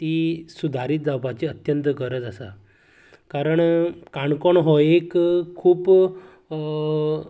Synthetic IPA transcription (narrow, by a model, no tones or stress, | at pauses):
t̪iːsud̪ʱaɾit̪̚d͡zawpat͡ɕiːət̪jənt̪əɡəɾət͡sasa̰ | kaɾəɳkaɳkoɳɦɔekkʰːuːp